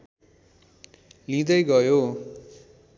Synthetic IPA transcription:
lĩd̪ʌjɡʌjo

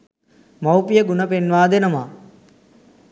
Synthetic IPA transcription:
mawpijəɡunəpenʋaːd̪enəmaː

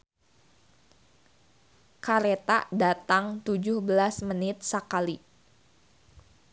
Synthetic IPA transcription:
kaɾet̪adat̪aŋt̪ud͡ʒʊhbəlasmənɪt̪̚sakali

